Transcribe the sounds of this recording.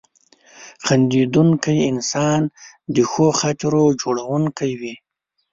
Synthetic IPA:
xand̪id̪uŋkajɪnsɑn | d̪əxoxat̪ɾod͡ʒoɽawuŋkajwi

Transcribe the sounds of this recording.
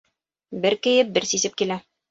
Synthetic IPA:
bɘɾkɘ̆jɘp̚bɘɾsisɘp̚kilæ

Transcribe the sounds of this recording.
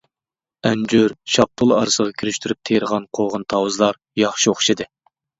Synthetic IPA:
ɛnd͡ʒyɾʃɑp̚t̪ʰʊlˠɑ̰ɾɨsəʁɑkʲʰiɾyʃt̪ʰyɾyp̚t̪ʰejɾəʁɑnqʰoʁɑnt̪ʰɑwɨzlˠɑɾ | jɑχʃioχʃɨd̪ɨ

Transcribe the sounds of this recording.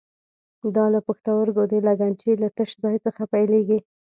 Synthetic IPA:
d̪ɑlapəxt̪awəɾɡod̪elaɡant͡ʃilat̪əʃzɑjt͡səxapajleɡi

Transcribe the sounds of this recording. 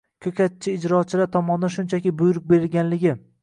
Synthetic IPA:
kʲʰɵkʲat̪̚t͡ʃʰːɪːd͡ʒɾɒt͡ʃʰɪlaɾt̪ʰɒmɒnd̪aʃʊnt͡ʃʰakʲɪbʊjɾʊk̚be̞ɾɪlɡʲanlɪɡʲɪ

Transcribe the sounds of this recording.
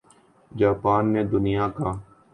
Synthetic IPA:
d͡ʒaːpaːnːeːd̪ʊnɪjãːkaː

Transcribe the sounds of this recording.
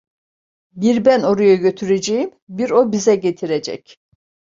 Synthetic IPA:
biɾbænoɾujaɟø̞t̪ʰyɾed͡ʒɛjim | biɾobizɛɟet̪ʰiɾɛd͡ʒɛ̰c

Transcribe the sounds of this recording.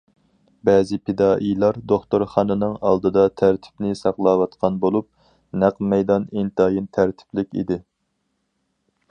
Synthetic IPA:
bɛːzɪpʰed̪ɑːʔijlˠɑɾd̪oχt̪oɾχɑnɨnɨŋɑlˠd̪ɨd̪ɑt̪ʰæɾt̪ʰɪ̥pnɪsɑqlˠɑːwɑt̪qʰɑnbolˠup̚ | næqmɛjd̪ɑnint̪ɑjint̪ʰæɾt̪ʰɪ̥plɪkʲḭd̪ɪ

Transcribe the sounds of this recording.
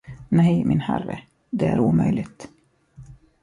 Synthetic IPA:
nɛjmʔɪnhæɾːə | d̪ɛæɾuːmœjlɪɡt̪

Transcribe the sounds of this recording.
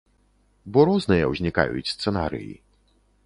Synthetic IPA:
bɔɾɔznɨjɐ̰wzʲnʲika̰jṵt͡sʲst̪sɛnaɾɨ̰jḭ

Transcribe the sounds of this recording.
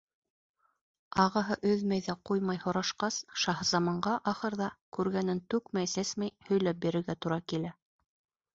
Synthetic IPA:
ɑʁɤɦɤʔɵðmæjðæqujmɑjhŏɾɑʃqɑsʃɑɦɤzɑmɑɴɢɑʔɑχɤ̆ɾðɑkʉɾɡænɘnt̪ʉkmæjsæsmæjhɵ̆jlæp̚biɾɘ̆ɾɡæt̪uɾɑkilæ

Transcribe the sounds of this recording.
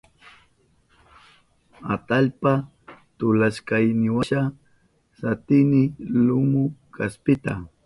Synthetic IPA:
at̪aʎpa | t̪ʊlaskajnɪwaʃa | sat̪ɪnɪlʊmʊkʰaspɪt̪a

